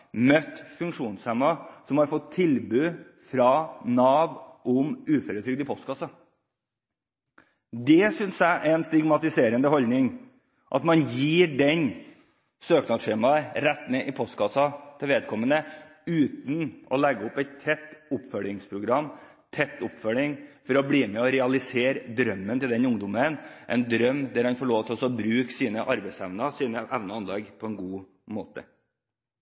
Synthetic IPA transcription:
mœt̪ːfʉŋkʂuːnshɛmɑsɔmhɑɾfɔt̪ʰːɪlbʉː | fɾɑnɑːʋʔɔmʉːfɔɾət̪ʰɾʏɡ̚d̪ɪpʰɔst̪kɑsɑ | d̪ɛsʏnsjæɪʔæɪnst̪ɪɡmɑt̪ɪseːɾənd̪əhɔld̪nɪŋ | ʔɑ̰t̪mɑnjiːɖɛɲ | søːknɑd̪ʂeːmɑɾɛt̪ːmeːʔɪpʰɔst̪kʰɑsɑt̪ʰɪlʋeːd̪̚kʰɔmːənə | ʉːt̪nɔlɛɡəɔpɛɪt̪ʰːɛt̪ːʊpfœlɪŋspʰɾʊɡɾɑmː | t̪ʰɛt̪ːʊpfœlɪŋfɔɾɔbɽiːmɛɔɾɛɑlɪseːɾəd̪ɾœmːənt̪ɪld̪ɛnʊŋd̪ʊmənʔɛ̰ɪnd̪ɾœmːd̪æɾhɑnfɔɭoːʋt̪ʰlɔsɔbɾʉːksiːnəʔɑɾbæɪsæʋnɑsiːnəʔæʋnɑɑnlɛɡpʰɔɛnɡuː | moːt̪ə̰

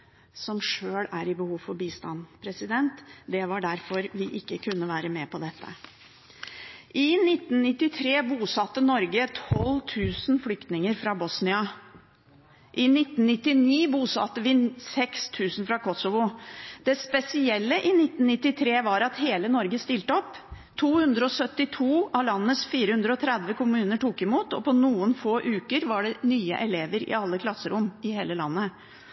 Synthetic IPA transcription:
sɔmʂøːlæɾɪbəhuːfɔɾbiːst̪ɑnpʰɾɛsɪd̪ɛnt̪d̪ɛʋɑɖæɾfɔɾʋɪʔɪkːəkʰʉnːəʋæːɾəmɛpʰɔd̪ɛt̪ʰːə̰ | ʔɪnɪt̪ːnnɪt̪ːɪt̪ʰɾeːbuːsɑt̪ːənɔɾɡət̪ʰɔlt̪ʰʉːsnflʏkt̪nɪŋəɾfɾɑbɔsnɪɑ | ʔɪnɪt̪n̩nɪt̪ːɪniːbuːsɑ̰t̪ːəʋɪsɛkst̪ʰʉːsn̩fɾɑkʰɔsɔʋʊd̪̥ɛspɛsɪɛlːəʔɪnɪt̪ːn̩nɪt̪ːɪt̪ʰɾeːʋɑɾɑt̪heːlənɔɾɡəst̪ɪlt̪əɔpː | t̪ʰuːhʉnd̪ɾəɔsœt̪ːɪt̪ʰuːɑʋlɑnːəsfiːɾəhʉnd̪ɾəɔt̪ʰɾɛd̪ʋəkʊmʉːnəʈuːkɪmuːt̪ɔpɔnuːənfoːʔʉːkəɾʋɑɖɛnyːə̰ʔɛleːʋəɾɪ̰ɑlːəkʰlɑsːəɾʊmɪheːləlɑ̰nːə

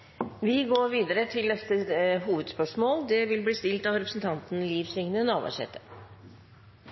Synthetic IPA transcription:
ʋɪɡoːɾʋiːd̪əɾət̪ʰɪlnɛt̪əɦuːʋəd̪spœʂmoːld̪ɛʋɪlbliːst̪ɪlt̪ɑʋɾɛpɾsn̩t̪ʰɑnt̪n̩liːfsʏŋnənɑːʋæ̰ʂɛ̰t̪ːə̥

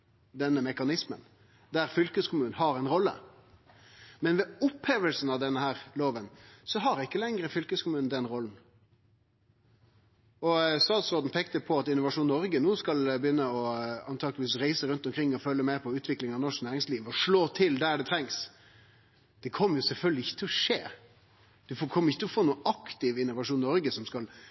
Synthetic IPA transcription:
d̪ɛnːəmɛkɑnɪsmə̰n | d̪æɾfʏlkəskʰʊmʉːnnɦɑɾɛɪnɾɔlːə̰ | mɛnʋɛʊpheːʋəlsn̩ɑʋd̪ɛnːəhæːʁloːʋənsɔɦɑɾɪkːəlɛŋɾəfʏlkəskʊmʉːnn̩d̪ɛnɾɔln̩ | ɔst̪ɑːt̪sʁoːd̪n̩pʰeːkt̪əpʰɔɑt̪ɪnːʊʋɑʂuːnːɔɾɡənuːskɑlbəjʏnːəɔɑnt̪ʰɑːɡlɪʋiːsɾæɪsəɾʉnt̪ɔmkʰɾɪŋːɔfœlːəmæɪɾpʰɔʉːt̪ʋɪklɪŋɑʋnɔʂknæːɾɪŋsliːʋɔʂɭoːt̪ʰɪld̪æɖɛt̪ʰɾɛŋs | d̪̥ɛkʰɔmːəɾjʊsɛlfœlɡ̪lɪɪçːət̪ʰɪlːɔʂeː | d̪̥ɛfkʰɔməɾɪçːət̪ʰlɔfoːnuːnɑkt̪ɪʋɪnːʊʋɑʂuːnnɔɾɡəsɔmskɑl

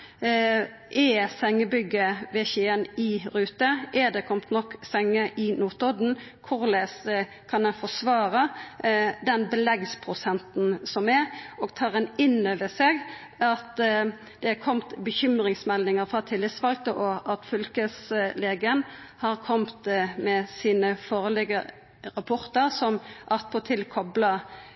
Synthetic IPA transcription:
ʔɛsɛŋːəbʏɡːəʋɛçeːənɪʁʉːt̪əʔɛd̪ɛkʰɔmt̪nɔkːsɛŋːəʔɪnuːt̪ɔd̪n̩ | kʰʊʁles | kʰɑnɛnfɔsʋɑːʁə | d̪ɛnbəlɛɡspʰʁʊsɛnt̪n̩sɔmɛʁoːɡt̪ʰɑːʁɛnɪnøːʋəseːɡ | ɑt̪ | d̪̥ɛkʰɔmt̪bəçʏmʁɪŋsmɛlnɪŋəʁfʁɑt̪ʰɪlːɪt̪sʋɑlɡt̪əʔɔʔɑt̪fʏlkəsleːɡəənhɑʁkʰɔmt̪mɛsiːnəfoːʁəlɪɡə | ɾɑpʰɔʁt̪əʁsɔmʔɑt̪̚pʰɔt̪ʰɪlkʰɔblɑ

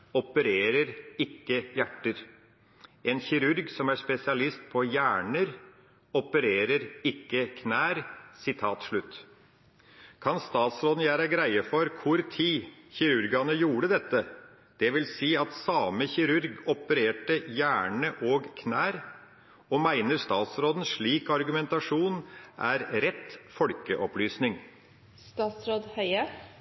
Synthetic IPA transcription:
ɔpəɾeːɾəɾɪkːəjæʈːəɾ | ʔɛnçɪɾʉɾɡsɔmæʂpɛsɪɑlɪst̪̚pʰɔjæːɳəɾ | ɔpəɾeːɾəɾɪkːəkʰnæːɾsɪt̪ʰɑːt̪ʂɭʉt̪ː | kʰɑnst̪ɑːt̪sɾɔːd̪n̩jæːɾɑɡɾæɪəfɔɾkʰʊɾt̪ʰiːçɪɾʉɾɡɑnəjuːɽəd̪ɛt̪ːə | d̪̥ɛʋɪlsiːɑt̪sɑːməçɪɾʉɾɡɔpəɾeːʈəjæːɳəʔoːɡkʰnæːɾ | ɔmæɪnəɾst̪ɑːt̪sɾoːd̪n̩ʂɭiːkɑɾɡʉmɛnt̪ɑʂuːnʔæɾɾɛt̪fɔlkəʔɔplyːsnɪŋ | st̪ɑːt̪sɾoːd̪hœʏə

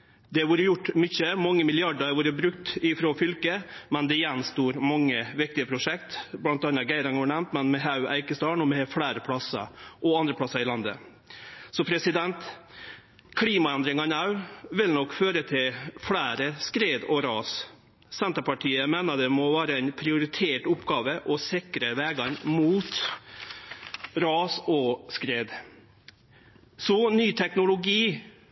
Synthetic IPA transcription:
d̪ɛʋuːɾəjʊʈːmʏçːəmɑŋːəmɪlɪɑɖəɾʋuːɾəbɾʉkt̪ɪfɾoːfʏlkəmɛnd̪ɛɪjɛnːst̪uːɾmɑŋːəʋɪk̚t̪ɪəpʰɾʊʂɛkt̪blɑnt̪ɑːnɑɡæɪɾɑŋhɑːɳɛmnt̪mɛnmɛɦɑʉæ̰ɪkəst̪ɑːɳɔmɛfɽæːɾəpʰɽɑsə̰ɾʔɔɑnd̪ɾəplɑsəɾɪlɑnd̪ə̰ | sɔpʰɾɛsɪd̪ɛnt̪ | kʰliːmɑɛnd̪ɾɪŋɑnɑʉʋɪlnɔkːføːɾət̪ʰɪlfɽæːɾəskɾeːd̪ɔɾɑːs | sɛnt̪əpɑʈʰiːəmeːnəd̪ɛmɔʋæːɾəɛɪnpʰɾɪʊɾɪt̪ʰeːʈʊpɡɑːʋəʔɔsɪkɾəʋɛːɡɑɾmuːt̪ | ɾɑːsɔskɾeːd̪ | sɔnyːt̪ʰɛknʊlʊɡiː

